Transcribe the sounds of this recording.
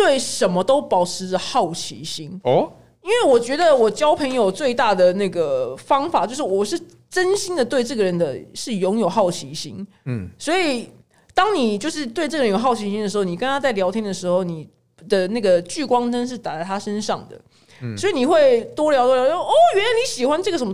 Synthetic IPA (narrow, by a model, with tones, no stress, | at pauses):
t̪we˥˩ɪʂə˨˩nmə˦t̪o˥ʊpɑ˨˩ʊʈ͡ʂʰɻ̩˧˦d͡zə˧xɑ˥˩ʊt͡ɕʰḭ˧˥ɕi˥ŋ | i˥nwe˥˩ɪwɔ˨˩t͡ɕɥɛ˧˥d̪ə˨wɔ˨˩t͡ɕjɑ˥ʊpʰə˧˥njo˨˩ʊt͡swe˥˧ɪt̪a˥˩d̪ə˩na˥˩ɡə˩fɑ˥ŋfa˨˩˦t͡ɕjo˥˧ʊʂ̬ɻ̩˥˩wɔ˨˩ʂɻ̩˥˩ | ʈ͡ʂə˥nɕi˥nd̪ə˨t̪we˥˧ɪʈ͡ʂɤ˥˩ɡə˩ɻə˧˦nd̪ə˨ʂɻ̩˥˩jʊ˧˥ŋjo˨˩ʊxɑ˥˩ʊt͡ɕʰi˧˥ɕi˥n | swɔ˧˥i˨˩ | t̪ɑ˥ŋni˨˩t͡ɕjo˥˧ʊʂ̬ɻ̩˥˧t̪we˥˧ɪʈ͡ʂɤ˥˩ə˩ə˦njo˨˩xɑ˥˩ʊt͡ɕʰi˧˥ɕi˥nd̪ə˩ʂɻ̩˧˥xo˥˩ni˨˩kə˦nt̪ʰa˥t͡sa˥ɪljɑ˧ʊt̪ʰi˥nd̪ə˨˩ʂɻ̩˧˥xo˥˩ʊni˨˩ | d̪ə˨na˥˩ɡə˩t͡ɕy˥˩kwɑ˥ŋʈ͡ʂə˥nʂɻ̩˥˩t̪a˨˩t͡sa˥˩ɪt̪ʰa˥ʂə˦nʂɑ˥˩ŋd̪ə̰˩ | swɔ˧˥i˨˩ni˨˩xwe˥˩ɪt̪wɔ˥ljɑ˧˥ʊt̪wljʊ˥˧˥ɔ˥˩jɥɛ˥nla˧ɪni˨˥ɕi˨˩xwa˦nʈ͡ʂɤ˥˩ɡə˩ʂə˧˦nm˦